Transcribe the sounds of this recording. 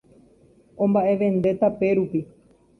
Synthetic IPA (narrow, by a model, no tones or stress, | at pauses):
õ̞mbaʔe̞ʋẽ̞nd̪e̞t̪ape̞ɾupi